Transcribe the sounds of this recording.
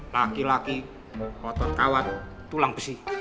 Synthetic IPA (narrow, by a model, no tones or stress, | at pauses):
lakilaki | kɔt̪ɔnkawat̪ː | ulaŋb̥ə̥si